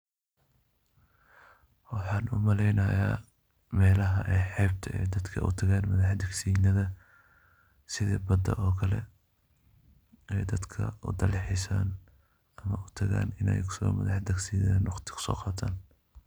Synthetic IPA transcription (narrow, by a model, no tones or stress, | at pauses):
wɑħɑːnʊ̰mɐlɛjnɐja̰ː | mɛːlɐɦɐʔɛjħɛːb̚t̪ʰɐʔɛ̰jd̪ɐd̪kʰɐʔʊ̰t̪ʰɐɣaːnmɐðɑħd̪ɐɡsiːnɐðɐ | sɪðɛːbɐd̪ɐ̰ʔɔːkʰɐlɛ̰ | ɛjd̪ɐd̪kʰɐ̰ʊ̰d̪ɐlɪħɪsaːn | ɐmɐʔʊt̪ʰɐɣa̰ːnɪnɛ̰jkʰʊ̥sɔ̰mɐðɑħd̪ɐksiːðaːnwɑqt̪ʰɪ̥kʰʊ̥sɔ̰ːqɑːt̪ʰaːn